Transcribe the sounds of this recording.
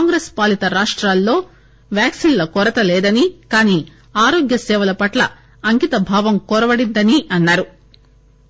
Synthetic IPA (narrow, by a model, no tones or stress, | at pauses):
ŋɡɾespaːlit̪ɐɾaːʂʈɾaːlːo̞ː | ʋjaːksinlɐkɔɾɐt̪ɐlɛːd̪ɐnikaːniː | aːɾo̞ːɡjɐsɛːʋɐlɐpɐʈlɐ̰ | ɐŋkit̪ɐbʱaːʋɐmkɔɾɐbɐɽind̪ɐniɐnːaːɾu